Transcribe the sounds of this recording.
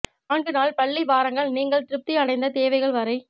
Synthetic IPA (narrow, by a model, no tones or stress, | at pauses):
aːɳɡɯnaːlpɐɭːiʋaːɾɐŋɡɐɭniːŋɡɐɭt̪ɪɾɯp̚t̪iɐɽɐɪnd̪ɐt̪eːʋɐɪɣɐɭʋɐɾɐɪ